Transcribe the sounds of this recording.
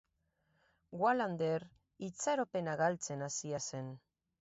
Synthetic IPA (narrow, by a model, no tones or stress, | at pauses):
ɡwaland̪eɾ | it͡saɾope̞naɣalt͡se̞nasiase̞n